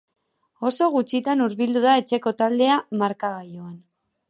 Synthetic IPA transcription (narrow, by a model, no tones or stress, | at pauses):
o̞so̞ɣut͡ʃit̪anuɾβild̪uðae̞t͡ʃe̞ko̞t̪ald̪e̞amaɾkaɣajoan